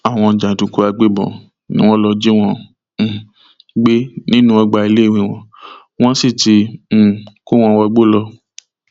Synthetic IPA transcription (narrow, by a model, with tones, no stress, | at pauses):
a˦˨w̃ɔ̃˧˨d͡ʒa˨tũ˨ko˧a˧ɡ͡be˦˨bɔ̰˨ | nḭ̃˦w̃ɔ̃˦lɔ˧d͡ʒi˦w̃ɔ̃˧˨ | ɡ͡be˦nĩ˦nũ˦ɔ˧ɡ͡ba˧i˧le˦˨w̃ĩ˧˨w̃ɔ̃˧ | w̃ɔ̃˦si˦˨ti˧˦˨ | ko˦w̃ɔ̃˧wa˧ɡ͡bo˦lɔ˧